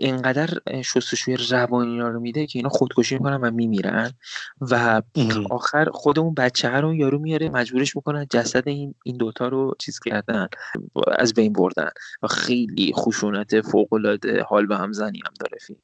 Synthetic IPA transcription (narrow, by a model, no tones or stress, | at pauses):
ʔeŋɢæd̪æɾʃost̪oʃuːjerævɒːniːɾɒːɾomid̪ecʰe̞iːnhɒːxod̪̥kʰo̞ʃ̬iːmiko̞nænvæmiːmiːɾæ̰nvæ | ɒːxæɾχo̞d̪e̞unbætt͡ʃʰːehæɾounjɒːɾumijɒɾemæd͡ʒbuːɾe̞ʃmiko̞nænd͡ʒæsæd̪einind̪ot̪ʰɒːɾo̞t͡ʃʰiːz̥cʰæɾd̪ænæ̰zbe̞jnbo̰ɾd̪æ̰nvæxejlḭxoʃunæt̪ʰe̞foɣo̞lɒːd̪e̞̰hɒːlbehæmzænḭæ̰md̪ɒ̰ːɾefḭl